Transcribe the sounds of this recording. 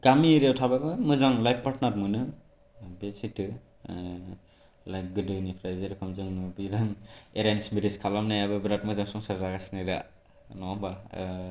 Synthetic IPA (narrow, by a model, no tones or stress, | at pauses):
ɡ̥amiɾewtʰababɯmɯzaŋlajp̚ʰpatʰnatmɯnɯ | besitɯ | lajk̚ɡɯdɯnipʰɾajzɯɾɯkʰamzɯŋbiɾaŋeɾensmiɾiskʰalamnajabɯbɾat̚mɯzaŋsɔŋsaɾzaɡasinada̰ | nɔamba